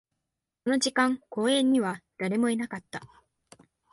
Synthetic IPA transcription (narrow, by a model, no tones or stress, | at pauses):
so̞no̞ʑikãŋko̞ːẽ̞ɲ̟ːiβad̪̥aɾe̞mo̞enakat̪ːa